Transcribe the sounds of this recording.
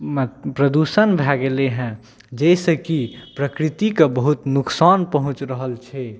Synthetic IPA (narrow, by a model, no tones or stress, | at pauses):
pɾəd̪usənbʱɛɡeleɦɛ̃ | d͡ʒɛɪsəkipɾəkɾit̪ikəbəɦut̪nuksanpəɦũt͡ʃɾəɦəlt͡ʃʰɛ